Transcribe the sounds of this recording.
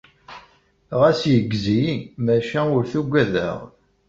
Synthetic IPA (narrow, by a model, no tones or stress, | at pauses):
ʁæsjəɡːzimæʃæʊɾθuɡʷæðæ̰ʁ